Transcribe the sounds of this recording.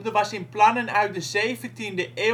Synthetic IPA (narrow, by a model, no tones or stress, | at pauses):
dəʋɑsɪnplɑnənœɥt̚dəzejvəntindəʔeː